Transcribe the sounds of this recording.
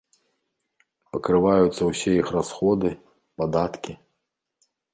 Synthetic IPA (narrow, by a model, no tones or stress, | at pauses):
pɐkɾɨvajut̪sːɐwsʲɛjixrasxɔd̪ɨ | pad̪at̪kʲi